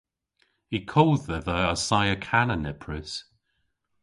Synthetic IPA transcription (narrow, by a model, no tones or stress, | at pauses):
hikʰɔlˠd̚ðəðəəsajəkʰanənɛpʰɹəs